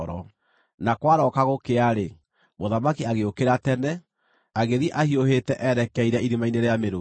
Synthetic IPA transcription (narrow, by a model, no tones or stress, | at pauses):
ɾɔ̰ | nakwaɾɔkaɣokeaɾe | moðamakiaɣeokeɾatɛnɛ | aɣeðiʔahiohetɛʔɛɾɛkɛiɾɛiɾimaineɾeameɾo